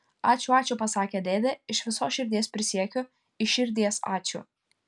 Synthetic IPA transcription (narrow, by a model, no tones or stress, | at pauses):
ɑːt͡ʃʲuɑːt͡ʃʲupɐsɑːkʲeːd̪ʲeːd̪ʲɛɪʃʋʲɪsoːsʃʲɪɾʲd̪ʲiɛspʲɾʲɪsʲiɛkʲʊ | ɪʃʲɪɾʲd̪ʲiɛsɑ̰ːt͡ʃʲṵː